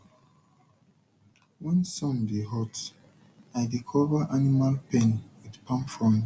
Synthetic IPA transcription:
wɛ̃nsɔ̃mdeɦɔt | ajdikʰɔvaʔanimalpẽnwidpʰãmfɔ̃m

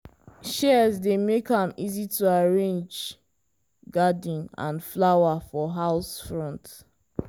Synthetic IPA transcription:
ʃɛzdemekãmizituaɹẽnd͡ʒ | ɡadĩnã̰nflawafɔɦaʊsfɹɔ̃nt

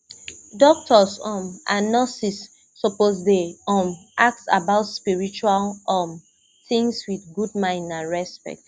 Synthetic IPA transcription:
dɔk̚tʰɔsɔ̃manasisː | ɔpozdeɔmʔak̚tsa̰baʊtspiɹit͡ʃualɔm | θĩŋswiθɡud̚mãɪ̃nãnɹɛspɛ̰k̚t

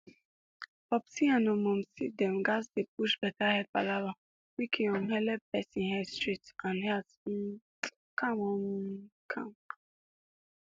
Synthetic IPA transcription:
bɔpsiãnɔmɔ̃msidɛ̃mɡazdepuʃbɛtahɛd̚palava | wikʰĩɔ̃nɦɛlɛbɛsĩnɦɛstɹitãnhɛs | kʰamɔmkʰãm

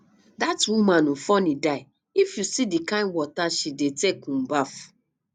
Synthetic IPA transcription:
datũmãnũfɔnidaɪ | ifjusidikãɪ̃ndwɔtaʃidetekũmbaf

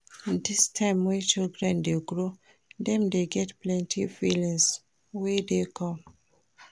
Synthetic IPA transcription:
ĩndistʰãɪmwɛt͡ʃildɹɛ̃ndeɡɹo | dɛ̃mdeɡɛtplɛ̃ntʰifilĩŋs | wedekʰɔ̃m

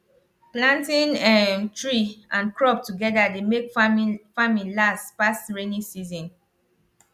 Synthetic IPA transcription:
plãntĩnɛmtɹiãnkɹɔp̚tuɡɛdademekfamĩlastpastɹenĩsizɔ̃n

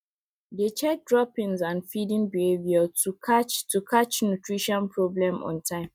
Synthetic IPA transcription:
det͡ʃɛk̚dɹɔpĩnzãnfidĩnbiheviatʰukʰat͡ʃtʰukʰat͡ʃnutʰɹiʃɔ̃npʰɹoblɛ̃mɔ̰̃ntʰãɪ̃m

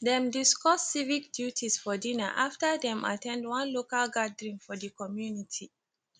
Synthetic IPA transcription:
dɛ̃mdiskɔsːivik̚djutʰisfɔdina̰ʔaftədɛ̃mʔa̰tʰɛ̃ndwãnlokalɡadəɹĩŋfɔdəkɔmjunitʰi

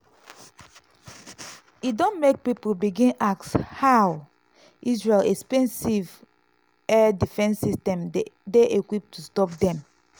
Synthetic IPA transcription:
idõnmek̚pipolbiɡĩnakshaw | ʔisɹelɛkspɛ̃nsiv | ɛdifɛ̃nsːistɛ̃mdeʔekwip̚tustɔp̚dɛ̃m

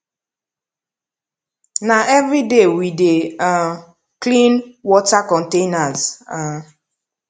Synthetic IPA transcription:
naʔɛvɾidewide | klĩnwɔtakɔ̃ntenaza

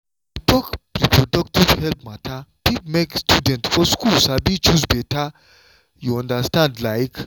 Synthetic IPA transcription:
tɔkpɹipʰɹɔdɔktiv̥hɛlp̚matʰapipmekstudɛ̃ntfɔskulsabit͡ʃusbɛta | juɔ̃ndastãndlaɪk

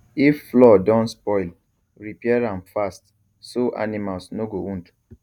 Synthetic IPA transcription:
ifːlɔdɔ̃nspɔɪl | ɹipiɛɹãnfast | soʔa̰nĩmalsnoɡoũnt

